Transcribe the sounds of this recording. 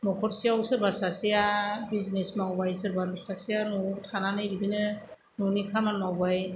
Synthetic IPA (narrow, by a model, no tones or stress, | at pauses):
mɔkʰɔɾsijawsɯɾbasasijabiznesmawbajsɯɾbasasijanɔtʰananɯjbidinɯ | nunikʰamanmawbaj